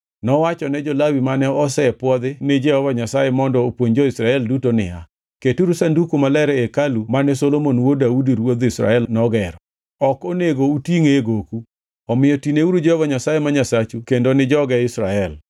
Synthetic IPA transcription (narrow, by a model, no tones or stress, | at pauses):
nɔwat͡ʃɔnɛd͡ʒɔlawimanɛɔsɛpwɔd̪ɪnɪd͡ʒɛɔvaɲasajemɔndɔopwoɲd͡ʒɔisɾaɛldutonɪ̰a̰ | ketuɾusandukomalɛɾɛekalumanɛsolomonwodaudiɾwod̪isɾa̰ɛlnɔɡɛɾɔ | ɔkoneɡoutiŋeɡoku | ɔmɪjɔtineuɾud͡ʒɛɔvaɲasajemaɲasat͡ʃukendonɪd͡ʒɔɡɛɪsɾaɛl